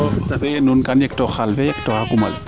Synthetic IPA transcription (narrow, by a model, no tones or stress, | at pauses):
ɔsabɛɛnunkaniɛk̚tɔxalbɛɛk̚tɔhakuma̰l